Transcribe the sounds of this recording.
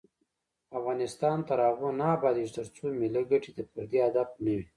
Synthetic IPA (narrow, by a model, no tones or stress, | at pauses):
afɣɑnɪst̪ɑnt̪aɾɑɣonɑbɑd̪iʒt̪əɾt͡someləɡəʈid̪əpəɾd̪ead̪ab̚nawi